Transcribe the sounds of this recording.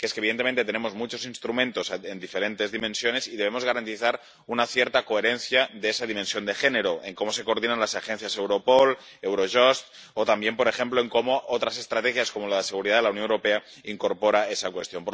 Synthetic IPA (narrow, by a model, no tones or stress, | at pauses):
keeskeβ̞iðent̪eent̪et̪ene̞mo̞zmut͡ʃo̞sinst̪ɾumẽ̞nt̪o̞send̪ifeɾe̞nt̪e̞zðimẽ̞nsjo̞ne̞siðeβemo̞zɣ̞aɾant̪iθaɾ | unaθje̞ɾt̪ako̞eɾe̞nθjaðeesaðimẽnsjo̞nd̪e̞xe̞neɾo̞ʔeŋko̞mo̞se̞ko̞ɾðinanlasaxẽ̞n̟θjase̞wɾo̞pol | ewɾoʒost̪ | ot̪ambje̞mpo̞ɾe̞xe̞mplo̞e̞ŋko̞mo̞ʔot̪ɾase̞st̪ɾat̪exjasko̞molaðese̞ɣ̞uɾiðaðelawnjoewɾope̞a | iŋko̞ɾpo̞ɾae̞sakwe̞st̪jo̞mpo